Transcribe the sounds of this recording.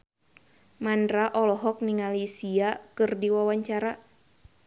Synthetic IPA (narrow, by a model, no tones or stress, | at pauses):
mandɾaʔɔlɔɦɔk̚niŋalisiakɨrdiwawaɲt͡ʃaɾa